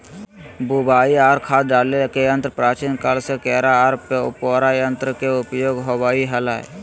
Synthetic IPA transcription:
bubaːiaːɾkʰaːd̪̚ɖaːlekejə̃nt̪ɾəpɾaːt͡ʃiːnkalsekɛːɾaɾpoːɾajə̃nt̪ɾəkeʊpjoːɡɦobaːiɦəlaːḛ

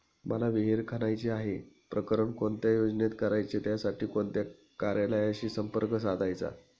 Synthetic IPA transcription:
məlaʋiɦiɾkʰanajt͡ɕiaɦe | pɾəkəɾəɳkoɳt̪jajod͡znet̪kəɾajt͡ɕet̪jasaʈiːkoɳt̪ja | kaɾjaləjaɕiːsəmpəɾkəsad̪ʱajt͡sa̰

